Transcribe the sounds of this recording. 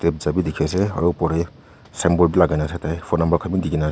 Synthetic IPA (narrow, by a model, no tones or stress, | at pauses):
tep̚zabidikʰes̬ea̰ɾuwpɔɾej | sembɔlbilaɡanasʰetʰajpʰɔtnambɐɾkʰamidiɡina